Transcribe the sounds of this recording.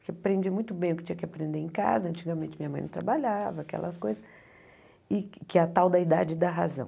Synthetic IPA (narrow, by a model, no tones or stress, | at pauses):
kepɾẽnd͡ʒimũj̃t̪ʊbẽj̃ʊkɪt͡ʃĩɲɐkɪapɾẽnd̪eẽka̰zɐɐ̃nt͡ʃiɡɐmẽnt͡ʃɪmĩɲɐmɐ̃j̃nɐ̃t̪ɾabaʎavɐːkɛ̰lɐ̰skojzɐ | ɪkɪɐt̪awd̪ɐid̪ad͡ʒɪd̪ɐɦa̰zɐ̃w̃